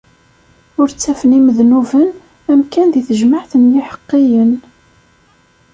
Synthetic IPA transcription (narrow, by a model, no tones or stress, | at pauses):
ʊɾt͡sːæfəniməðnuvən | æmkænðiθəʒməʕθənjɪħə̥qːɪjən